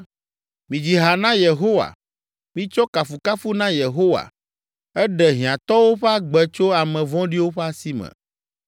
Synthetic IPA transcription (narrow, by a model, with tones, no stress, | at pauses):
mĩ˨d͡ʑi˨ɦa˨nã˦je˨ɦo˦wa̰˨ | mĩ˦t͡ʃɔ˦ka˨fu˨ka˦fu˦nã˦je˨ɦo˦wa̰˨ | ɛ˦ɖɛ˨ɦĩ˨ã˨t̪ɔ˦wo˦ɸɛ˦a˦ɡ͡bɛ˨t͡ʃo˦a˨mɛ̃˨vɔ̃˦ɖi˦wo˦ɸɛ˦a˦si˦mɛ̰̃˨